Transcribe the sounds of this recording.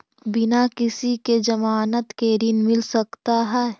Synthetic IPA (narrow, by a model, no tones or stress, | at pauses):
bɪnakɪsiked͡ʒɐmaːnət̪keːɾɪnmɪlsɐkt̪aɦɛː